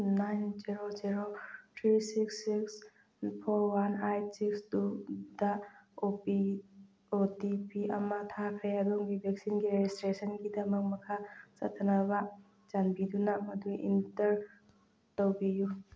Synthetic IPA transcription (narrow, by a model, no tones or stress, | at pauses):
najnziɾoziɾotʰɾisiksːiks | pʰoɾwanajsikstudaopi | otipiʔɐ̰mɐtʰakʰɐjaduŋɡibʱek̚sinɡiɾed͡ʒistɾesənɡidɐmɐk̚mɐkʰat͡ʃɐ̰tʰːanɐbɐ | d͡ʒanbidunamɐduḭntɐɾ | towbiju